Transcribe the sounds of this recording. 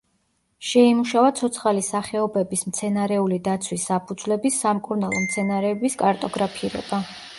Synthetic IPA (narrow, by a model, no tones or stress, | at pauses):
ʃɛimuʃavat̪sʰɔt̪sʰχalisaχɛɔbɛbismt̪sʰɛnaɾɛulid̪at̪sʰwisːapʰud̪zwlɛbisːamkʼuɾnalˠɔmt̪sʰɛnaɾɛːbiskʼaɾt̪ʼɔɡɾapʰiɾɔ̰b̥a